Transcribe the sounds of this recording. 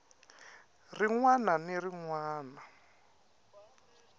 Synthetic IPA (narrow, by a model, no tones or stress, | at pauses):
riŋwananiriŋwaːna